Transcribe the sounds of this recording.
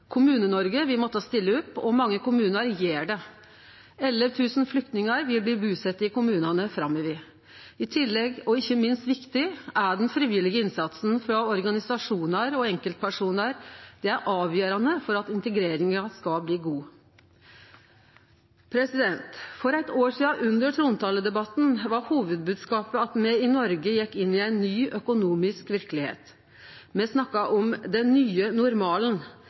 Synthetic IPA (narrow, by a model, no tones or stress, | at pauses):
kʰʊmʉːnənɔɾɡəʋɪmɔt̪ːəst̪ɪlːəʊpːɔmɑŋːəkʊmʉːnəɾjeːɖɛ | ɛlːəɾt̪ʰʉːsnflʏk̚t̪nɪŋɑɾʋɪlbliːbʉːsɛt̪ːɪkʊmʉːnɑnəfɾɑmːɪʋɪ | ɪt̪ʰɪlːɛɡɔɪçːəmɪnst̪ʋɪkt̪ɪʔæɖɛnfɾɪːʋɪlɪɡəɪnsɑt̪sn̩fɾɑɔɾɡɑnɪsɑʂuːnəɾɔɛŋkəlt̪̚pʰæʂuːnəɾd̪̥ɛæɾʔɑːʋjøːɾɑnəfɔɾɑt̪ɪnt̪əɡɾeːɾɪŋɑskɑbliːɡuː | pʰɾɛsɪd̪ɛnt̪fɔɾæɪt̪oːʈiːɑʔʉnd̪əɾʈ̪ʰɾʊnt̪ʰɑːləd̪ɛbɑt̪nʋɑɾhuːʋəd̪̚bʉːd̪skɑːpəɑt̪mɛɪnɔɾɡəjɛkːɪnːɪæɪnːyːʔœkʊnuːmɪskʋɪɾkəlɪhḛːt̪ | mɛsnɑkːɑʔɔmd̪ɛnnyːənʊɾmɑːlən